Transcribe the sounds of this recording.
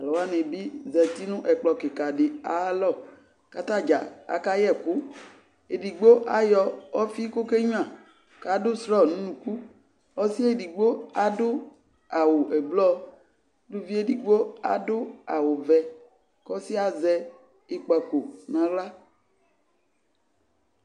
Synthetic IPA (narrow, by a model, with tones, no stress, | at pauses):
a˨lɔ˨wa˦nẽ˨bi˦zɛ˨t̪i˦nũ˦ʔɛ˨k͡plɔ˨ke˨ka˨ɖɪ˨a˨˦lɔ˦˨ | ka˨t̪a˦d͡ʒa̰˨a̰˨ka˦jɛ˦˨ku˦ | e˨di˨ɡ͡bo˦ʔa˦jɔ˦wɔ˦fi˦ko˦ke˦ɲũ˦ã˨ | ka˨˦dʊ˦sɾɔ˦˨nũ˦nũ˨ku˦ | ɔ˦si˦e˦di˨ɡ͡bo˦a˦dʊ˦ | a˨wo˨ʔɛ˨ɡ͡blɔ˦ | du˦vi˦e˦di˨ɡ͡bo˦a̰˦dʊ˦a˨wo˨vɛ˨ | kɔ˦si˦a˨zɛ˦ | e˦k͡pa˨ko˨nã˨la˦